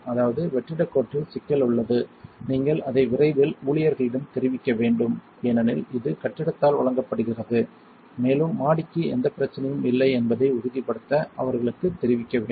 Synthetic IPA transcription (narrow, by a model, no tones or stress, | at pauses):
ɐðaːʋɐðɯʋɛʈrɪɽɐkːoːʈːɯsɪkːɐlʊɭːɐðɯniːŋɡɐɭɐðɐɪʋɪrɐɪʋɪluːɭɪjɐɾɣɐɭɪɽɐmt̪ɛɾɪʋɪkːɐʋeːɳɖɯm | eːnɐnɪlɪðɯkɐʈːɪɽɐt̪ːaːlʋɐɭɐŋɡɐpːɐɽɯɣɪrɐðɯ | meːlɯmːaːɽɪkːɯɛnd̪ɐpɪɾɐt͡ʃːɐnɐjɯmɪlːɐɪɛnbɐðɐɪʊɾʊðɪpːɐɽɯt̪ːɐʔɐ̰ʋɐɾɣɐɭɯkːɯt̪ːɛɾɪʋɪkːɐʋeː